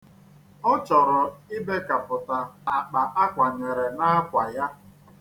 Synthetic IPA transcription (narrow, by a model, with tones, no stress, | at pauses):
ʊ˦t͡ʃɔ˨ɾʊ˨i˦be˦ka˨pʊ˨ta˨a˨k͡pa˨ʔa˦kʷa˨ɲe˨ɾe˨na˦kʷa˨ja˦